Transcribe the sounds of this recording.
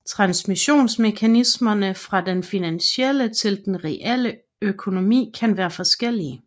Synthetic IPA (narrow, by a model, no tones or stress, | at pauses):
t͡sʰʁɑ̈nsmiɕo̝̰ːnsme̝kʰænismɐnəfʁɑ̈d̥enfinænɕelət͡sʰe̝ld̥enʁɛʔel̰ə | økʰo̝no̝mḭːkʰænʋæːɐfɒ̽sɡ̥el̰iə